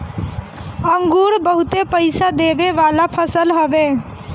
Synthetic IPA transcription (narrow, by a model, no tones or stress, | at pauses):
əŋɡuːɾbəɦʊt̪epəɪsad̪eːʋeʋaːlapʰəsəlɦoʋe